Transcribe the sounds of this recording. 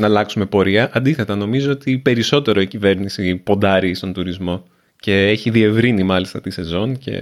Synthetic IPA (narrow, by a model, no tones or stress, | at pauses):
nɐlɐksume̞po̞ɾiɐʔɐnd̪iθe̞t̪ɐno̞mizo̞ot̪ipe̞ɾiso̞t̪e̞ɾo̞icive̞ɾnisipo̞nd̪ɐɾist̪o̞nt̪uɾizmo̞ | ce̞eçiðie̞vɾinimɐlist̪ɐt̪ise̞zo̞nce̞̰